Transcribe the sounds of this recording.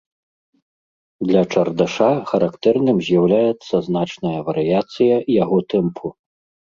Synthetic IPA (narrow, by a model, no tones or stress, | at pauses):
d̪lʲɐt͡ʂɐrd̪aʂaxɐɾakt̪ɛrnɨmzʲjawlʲajɛt̪sːɐzn̪at͡ʂnɐjɐvɐɾɨjat̪sɨjɐjaɣɔt̪ɛmpʰu